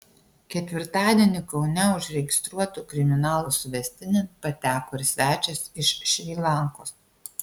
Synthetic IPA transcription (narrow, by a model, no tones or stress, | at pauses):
kʲɛt̪ʲʋʲɪɾt̪ɑːd̪ʲiɛnʲɪkɒʊnʲɛʊʃɾʲɛɡʲɪst̪ɾuɔt̪uːkɾʲɪmʲɪnɑːlˠuːsʊʋʲɛsʲt̪ʲɪnʲɛpɐt̪ʲæːkoːɪɾsʲʋʲæːt͡ʃʲɛsɪʃʃʲʋʲiːlˠɑˑŋkoːs